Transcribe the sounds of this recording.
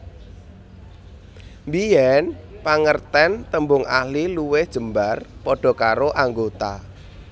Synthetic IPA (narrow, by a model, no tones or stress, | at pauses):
mbijɛnpaŋərt̪ɛnt̪əmbʊŋa̰hliluwehd̥ʒ̥ə̤mbarpɔɖ̥ɔ̤kaɾoʔaŋɡot̪a